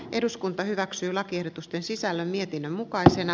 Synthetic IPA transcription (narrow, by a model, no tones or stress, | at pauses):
ʔe̞duskunt̪ɑhyʋæksyːlɑkiehdot̪ust̪e̞nsisælːømmie̞t̪inːømmukɑisenɑ